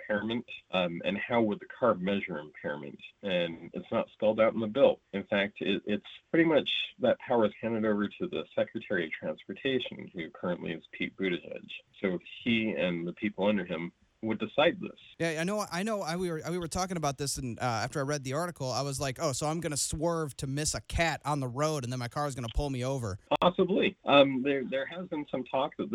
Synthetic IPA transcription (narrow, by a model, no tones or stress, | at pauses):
pʰɛɹɨmɨ̃ntɨ̰̃nhaʊwəd̪̚ðɨkʰɑɹmɛʒə˞ɨ̃mpʰɛɹə̰mɨ̰̃ntɨ̃nɨ̰tsnə̰tskɛlˠdaʊɾn̩ðɨbɪlˠɨ̃nfæk̚tʰɪɾʔɪtspʰɹ̥ɪɾimʌt͡ʃðɨt̚pʰaʊə˞z̥hæ̃ndɨɾoʊvə˞ɾɨðɨ̰sɛkɹɨtʰɛɹiʌv̥tʰɹ̥æ̃nspə˞tʰeɪʃɨ̃n̩hʉkʰɜ˞ɨ̃nʔlḭɨz̥pʰit̚b̥ʉɾɨʃɛ̰d̥ʒ̥soʊiɨ̃nðɨpʰipl̩ˠʌ̃ndə˞ɪ̃m | wədɨsaɪd̪̚ðɪ̰sjæaɪnoʊʔaɪnoʊaɪwiwə˞awiwə˞tʰɔkɪ̃ŋəbaʊt̪̚ðɪsɨ̃nʌæftə˞aɪɹɛd̪̚ðiɑɹɾɨkl̩ˠaɪwʌzlaɪkoʊsoʊãɪ̃mɡʌnəswɜ˞v̥tʰɨmɪsɨkʰæɾn̩ðəɹoʊɾɨ̃nðə̃nmaɪkʰɑɹɨzɡʌnəpʰʊlˠmioʊvə˞pʰɑsəbliʔʌðə˞ðə˞ɨzbɨ̃nsʌ̃mtʰɔksɨt̪̚